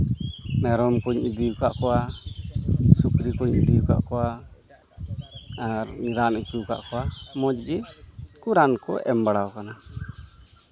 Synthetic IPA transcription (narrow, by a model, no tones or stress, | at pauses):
mɛɾɔmkɔɲid̪iwkaʔkɔwa | sukɾikoɲid̪iwka̰ʔkɔwa | ɾniɾanit͡ʃuka̰ʔkɔwamɔd͡ʒɡɛkuɾankɔ̰ʔɛ̰mbaɽawkana